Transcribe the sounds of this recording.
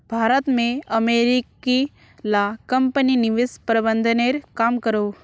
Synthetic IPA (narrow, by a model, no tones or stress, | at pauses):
bʱaːɾət̪mẽɐmeːɾiki | lakɐmpəninɪʋɪspɾəbənd̪ʱəneɾkaːmkəɾoː